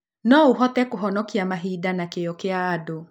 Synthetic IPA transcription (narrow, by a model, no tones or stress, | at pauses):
nɔuɦɔt̪ɛkoɦɔnɔkiamaɦidanakejɔkeaːdo